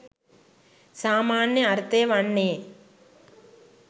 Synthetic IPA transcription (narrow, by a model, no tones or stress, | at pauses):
saːmaːɳjɐɐɾt̪ːeːʋɐɳːeː